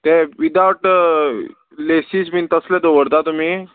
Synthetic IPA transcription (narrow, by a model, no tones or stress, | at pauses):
t̪ɛʋid̪aʋʈ | lesismint̪əslɛd̪oʋəɽt̪at̪um̤iː